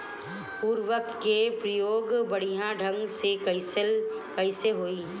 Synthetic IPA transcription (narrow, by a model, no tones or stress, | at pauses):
puːɾwəkːepɾəjoːɡbɐɽ̤ijãɖʱə̃ŋɡsekəisl | kɐɪseɦoːiː